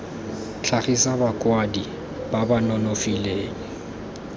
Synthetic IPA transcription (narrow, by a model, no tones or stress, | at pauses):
t͡ɬʰaχisabakʼwadi | babanɔnofileːŋ̩